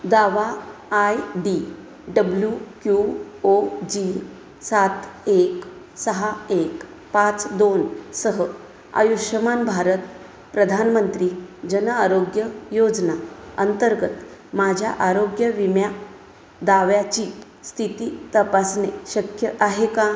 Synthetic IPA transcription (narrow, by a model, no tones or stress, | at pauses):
d̪aʋaːjɖi | ɖəbljukju | od͡ʑi | sat̪ek | səɦaek | pat͡sd̪onsəɦə | a̰juʃəmanbʱaɾət̪ | pɾəd̪ʱanmənt̪ɾiːd͡ʑənəaɾoɡjəjod͡znaə̰nt̪əɾɡət̪mad͡ʑʱja̰ʔaɾoɡjəʋimja | d̪aʋjat͡ɕiː | st̪ʰit̪iːt̪əpasneɕəkʰjəʔaɦeka